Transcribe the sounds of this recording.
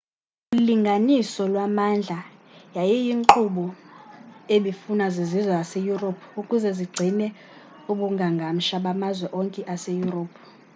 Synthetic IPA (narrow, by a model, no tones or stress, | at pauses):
uliŋɡʱanisɔlwamand͡ɮʱajajijiŋǃuɓɔ | eɓifunazizizwaasejuropʰukʼuzɛziɡ͡ǀʱinɛ | uɓuŋɡʱaŋɡʱam̩ʃaɓamazwɛʔɔŋkʼɛʔasejuroːpʰ